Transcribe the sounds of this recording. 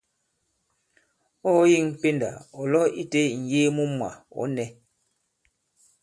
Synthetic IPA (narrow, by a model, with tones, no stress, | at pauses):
ɔ˦ji˦˨ŋ˨pe˦nda̰˨ɔ˨lɔ˦i˦te˦ŋ̩˨jeː˦mu˦mwa̰˨ɔ̰˨˦nɛ˦